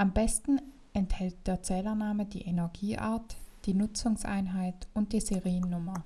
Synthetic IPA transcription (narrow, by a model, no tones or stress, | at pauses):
ʔambɛstn̩ | ʔɛnthɛlt̚d̥eːɐt͡sɛːlɐnaːmədḭːʔenɛɐɡiːʔa̰ːɐtd̥iːnʊt͡sʊŋsʔa̰ɪnɦaɪtʊnt̚d̥iːzeʁiːənːʊmɐ